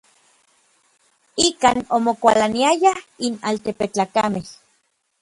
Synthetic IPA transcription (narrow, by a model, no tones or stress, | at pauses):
ikaːnomokʷalaniajahinalt̪epet͡ɬaːkameh